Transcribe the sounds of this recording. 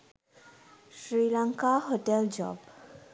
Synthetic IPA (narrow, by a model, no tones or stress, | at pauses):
ʃɾilaŋkaɦoʈeld͡ʑɔ̰b